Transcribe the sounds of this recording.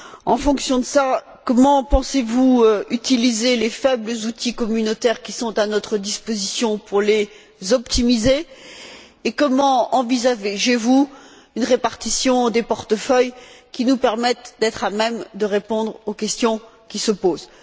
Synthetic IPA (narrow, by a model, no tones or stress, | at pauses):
ɑ̃fɔ̃ksjɔ̃d̪əsa | kɔmɑ̃pɑ̃sevuøyt̪ilizelefɛbləzut̪ʰikɔmynot̪ɛʁkʲisɔ̃t̪anɔt̪χəd̪ispozisjɔ̃puʁle | zɔpt̪imizeː | kɔmɑ̃ɑ̃vizaveʒevu | ynʁepaʁt̪isjɔ̃d̪epɔʁt̪əfœjkʲinupɛʁmɛt̪d̪ɛt̪χamɛmd̪əʁepɔ̃d̪ʁokʲɛst̪jɔ̃ | kʲisəpoːz